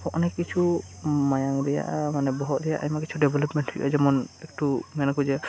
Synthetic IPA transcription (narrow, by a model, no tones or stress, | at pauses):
kɔʔnɛkit͡ʃʰumajaŋdɛja̰ʔmanɛbɔɦɔt̪̚ɾɛjaʔamakit͡ʃʰuɖɛbʱɛlɔpmɛntʰiʔa̰d͡ʒɛmɔnɛk̚ʈumɛnakuzɛ